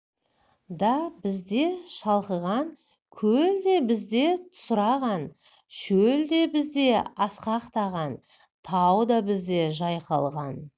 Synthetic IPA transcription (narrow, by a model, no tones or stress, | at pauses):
d̪ɑbɪzd̪e̞ʃɑlˠqəʁɑn | kʲʰɵld̪e̞bɪzd̪e̞t̪ʰʊ̥sʊɾɑʁɑn | ʃɵld̪e̞bɪzd̪e̞ɑsqɑqt̪ɑʁɑn | t̪ʰɑwd̪ɑbɪzd̪e̞ʒɑjqɑ̰lˠʁɑn